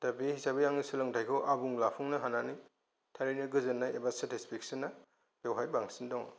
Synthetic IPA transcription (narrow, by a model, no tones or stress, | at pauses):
tabihisabejaŋisɯlɯŋtʰajkʰɯwʔabuŋlapʰuŋnɐɦanani | tʰaɾiniɡɯzɯnːaebasatispʰiksinːa | b̥ewɦajbaŋsindɔŋ